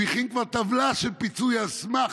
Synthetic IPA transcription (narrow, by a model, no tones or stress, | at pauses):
iχimkvaʁt̪avlaʃelpit͡sujasma